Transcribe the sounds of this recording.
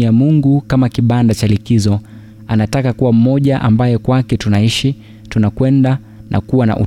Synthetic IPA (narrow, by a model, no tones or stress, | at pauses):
jamuŋɡukamakiɓandat͡ʃalikizɔ | anatakakuwam̩mɔʄaʔambajɛkwakɛtunaiʃi | tunakwɛnda | nʔa̰kuwana̰ʔṵ